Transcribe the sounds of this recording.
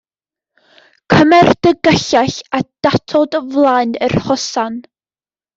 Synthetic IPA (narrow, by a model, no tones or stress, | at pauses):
kʰəmɛrd̥əɡəɬaɬad̥atʰɔdvlˠaːɨnərhɔsan